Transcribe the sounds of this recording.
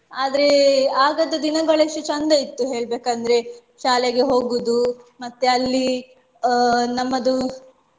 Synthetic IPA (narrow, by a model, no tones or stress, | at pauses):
aːd̪ɐɾe̞aːɡɐd̪ɐd̪inɐɡɐɭɐʂʈut͡ʃɐnd̪ɐit̪ːuɦe̞ːɭbeːkɐnd̪ɐɾe̞ | ʃaːleɡe̞ɦo̞ːɡud̪umɐt̪ːeɐlːi | nɐmːɐd̪u